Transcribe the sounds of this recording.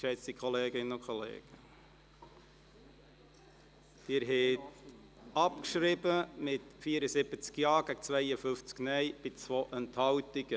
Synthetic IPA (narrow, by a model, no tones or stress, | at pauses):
ʃɛt͡sikχɔleːɡɪnəʊkχɔlḛːɡ̥ə | d̥ɪːɾɦɛt | ɑpkʃɾɪbəmɪtfiːəɾəsɪbət͡skjɑːɡ̥æɡət͡svæɪəfʏft͡sknɛɪb̥ɪt͡svoʔɛnthɑwtiɡ̥ə